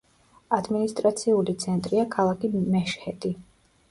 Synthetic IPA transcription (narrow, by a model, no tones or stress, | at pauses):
ad̪minist̪ʼɾat̪sʰiulit̪sʰɛnt̪ʼɾiakʰalˠakʰimɛʃhɛt̪ʼi